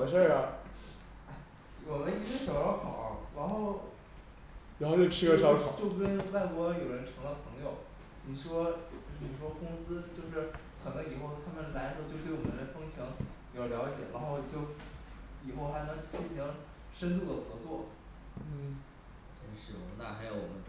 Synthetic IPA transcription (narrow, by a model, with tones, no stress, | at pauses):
ʂə˥˩ɐ˨˩ | a˥˩ɪ | wɔ˨˩mə˦ni˧˥t͡ɕŋɕɑ˨˩ʊ˥˩kʰɑ̰˨˩ʊɑ̰˥˩ɻa˧˥nxo˥˩ʊ | ɻi˧˥xo˥˧ʊt͡ɕjo˥˧˩ʈ͡ʂʰɻ̩˥ɡə˥˧ʂɑ˥ʊkʰɑ˨˩˧t͡ɕjo˥˧ʊʂ̩˥˩kə˥n˥wa˥˩ɪkwɔ˧˥jo˨˩ʊɻə˧˥nʈ͡ʂʰɤ˧˥ŋd̪ə˧˩pʰɤ˧˥ŋjo˨˩ʊ | ni˨˩ʂwɔ˥˨˩ni˨˩ʂwɔ˥kʊ˥ŋsɹ̩˥t͡ɕjo˥˧ʊʂɻ̩˥˩kʰɤ˨˩nɤ˧˥ŋi˨˩xo˥˩ʊt̪ʰa˥mə˨nla˧˥nxɤ˧˥t͡ɕjo˥˧ʊt̪wɪwɔ˨˩mə˧˦nd̪ə˧˩ɪfɤ˥ŋt͡ɕʰɑ˧˥ŋ | jo˧˩ʊljɑ˧˥ʊt͡ɕjɛ̰˨˩˦ɻa̰˧˥nxo˥˧ʊt͡ɕjo˥˩ʊi˨˩xo˥˩ʊxa˧˥ɪnɤ˧˥ŋt͡ɕi˥˩nɕi˧˥ŋ | ʂə˥nt̪̬u˥˩d̪ə˩xɤ˧˥t͡swɔ˥˩ | ə˧˥˩ʂɻ̩̰˥˩˨nt̪a̰˥˧˩xa˧˥ɪjo˨˧˥ʊwɔ˨˩mə˦